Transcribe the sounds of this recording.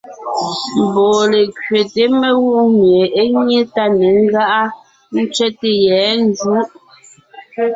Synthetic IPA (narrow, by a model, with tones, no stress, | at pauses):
m̩˨bɔː˨le˨kɥe˨te˨˦me˦ɣu˦ʔmje˨e˦ɲe˦ta˦ne˨ŋ̩˦ɡa˦ʔa˦ | n̩˦t͡ʃɥɛ˦te˨jɛ˨˦n˦d͡zu˨˦ʔ